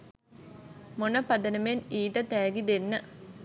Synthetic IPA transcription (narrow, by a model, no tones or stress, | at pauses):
munɐpɐd̪ɐnɐmeniːʈɐt̪eːɡid̪enːɐ